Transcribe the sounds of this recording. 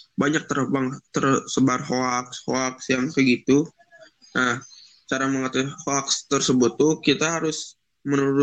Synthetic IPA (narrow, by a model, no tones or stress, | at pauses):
baɲak̚t̪ərəbaŋt̪ərsəbarɦoakshoaksjaŋkəɡit̪u | nah | t͡ʃaɾaməŋat̪ɛhoakst̪ərsəbʊt̪ːʊkit̪aɦaɾʊs | mənuɾʊ